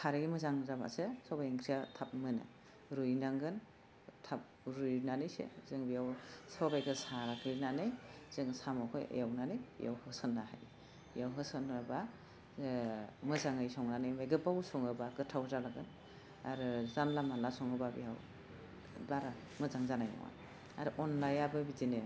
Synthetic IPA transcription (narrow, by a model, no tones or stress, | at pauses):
kʰaɾɯɡimɯzaŋzaba̰sesɔbajɯŋkʰɾijatʰap̚mɯnɯ̰ | ɾujnaŋɡɯn | tʰap̚ | ɾujnanɯjsḛzɯŋbijawsɔbajɡɯsaɾakʰijnanɯjz̥ɯŋsamɔkʰɔjḛjawnanɯjja̰whɯsɯnːaha̰j | jawɦɯsɯnːaba | mɯzaŋɯjsɔŋnanɯjmajɡɯbawsɔŋɯbaɡɯtʰawzalaɡɯn | a̰ɾɯzanlamalasɔŋɯbabḭjaw | baɾa | mɯzaŋzanajna̰ŋwa̰n | a̰ɾɯʔɔnlajabɯbizine